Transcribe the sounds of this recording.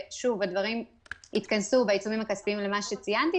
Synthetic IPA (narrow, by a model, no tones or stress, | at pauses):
ʃuvad̪vaʁim | it̪kansubait͡sumimhakaspimle̞maʃet͡sijant̪i